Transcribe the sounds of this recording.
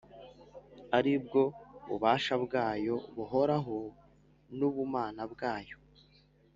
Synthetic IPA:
aɾib̚ɡo̞βṵβaːʃabɡaːjo̞βuɦo̞ɾaɦo | nuβumaːnabɡaːjo̞̥

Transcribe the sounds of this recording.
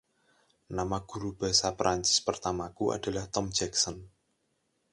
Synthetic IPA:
namaɡ̥ṳɾub̥a̤sapɾʔaɲt͡ʃɪ̥spərt̪amakuʔa̰d̥a̤laht̪ɔmd͡ʒɛksɔn

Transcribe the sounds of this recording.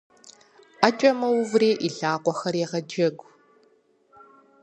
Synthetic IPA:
at͡ʃʼɐmɐwʊvreːʔiɮaːqʷʼɔxɐɾeːʁɐd͡ʒɐɡʷ

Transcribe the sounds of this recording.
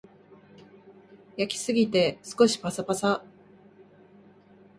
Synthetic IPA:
jakʲi̥sɨɡʲit̪e̞sɨ̥ko̞ɕi̥pasapasa

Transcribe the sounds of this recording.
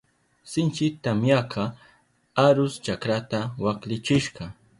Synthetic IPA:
sɪnt͡ʃɪt̪amjakʰɑ | aɾʊst͡ʃakɾat̪awaklɪt͡ʃɪʃɢɑ

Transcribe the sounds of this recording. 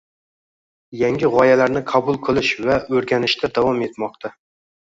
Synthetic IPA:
jaŋʲɪʁɒjalaɾnɪqʰɑbʊlˠqʰɨlˠɪʃvaɵɾɡʲanɪʃt̪ʰad̪avɒme̞t̪mɒqt̪ʰa

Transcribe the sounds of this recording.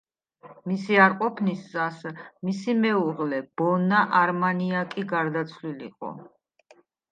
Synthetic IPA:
misiaɾqʼɔpʰniszasmisimɛuʁlɛb̥ɔnaʔaɾmaniakʼiɡaɾd̪at̪sʰlilḭqʼɔ̰

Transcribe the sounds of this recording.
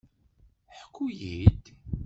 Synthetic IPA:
ħəkʰʷːujid̪

